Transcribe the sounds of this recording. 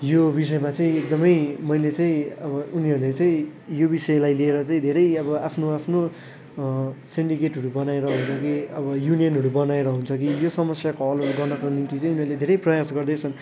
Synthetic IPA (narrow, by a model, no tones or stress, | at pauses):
jobisʌemat͡saĩek̚d̪ʌmʌjmʌjlet͡saĩʌbʌuniɦʌɾulet͡saĩjobisʌelajlieɾʌt͡saĩd̪ʱeɾʌjʌbʌapʰnoapʰno | siɳɖikeʈɦʌɾubʌnaeɾʌɦunt͡sʰʌkiʌbʌjunijʌnɦʌɽubʌnaeɾʌɦunt͡sʰʌk̬ijosʌmʌsjakoʌlɡʌrnʌkonimt̪it͡saĩuniɦʌɾled̪ʱeɾʌjprʌjasɡʌrd̪ʌt͡sʰʌn